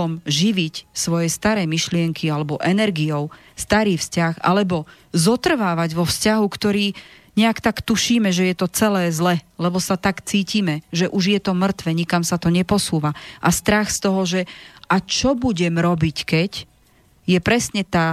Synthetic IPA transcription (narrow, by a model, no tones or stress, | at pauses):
ɔmʒiʋicsʋɔjɛst̪aɾɛjmiʃlɪɛŋkʰialɛbɔʔɛnɛɾɡiɔʊ | st̪aɾiːfscaxa̰lɛbɔ | zɔt̪r̩ʋaːʋaɟʋɔfscaɦukt̪ɔɾiː | ɲɛakt̪akt̪uʃiːmɛʒɛjɛt̪ɔt͡sɛlɛːzlɛlɛbɔsat̪akt͡siːciːmɛʒɛʔuʒjɛt̪ɔmr̩t̪ʋɛɲikamsat̪ɔɲɛpɔsuːʋaʔast̪ɾaxst̪ɔɦɔʒɛʔat͡ʃɔbuɟɛmɾɔbickɛc | jɛpɾɛsɲɛt̪aː